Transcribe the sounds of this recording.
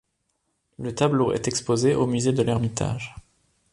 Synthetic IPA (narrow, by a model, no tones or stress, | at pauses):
lət̪abloɛ̰t̪ɛkspozeʔomyzed̪əlɛʁmit̪ʰa̰ʒ